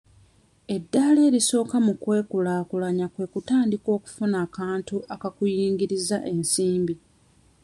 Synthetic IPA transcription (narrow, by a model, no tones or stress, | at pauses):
e̞dːaːle̞ːɾiso̞ːkamukwe̞ːkulaːkulaɲakwe̞kutaːndiko̞ːku̥funaːkaːntuʔakakujiːŋɡiɾizaʔe̞nsiːmbi